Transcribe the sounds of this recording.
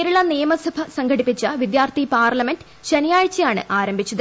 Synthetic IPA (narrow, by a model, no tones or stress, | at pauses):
ɾuɭɐnijɐmɐsɐbʱɐsɐŋɡɐɽipːit͡ɕːɐʋid̪jaːrt̪ʰipaːrlɐmendɖ | ɕɐnijaːɻt͡ɕːɐjaːɳɨ̰ʔaːɾɐmbʱit͡ɕːɐðɐ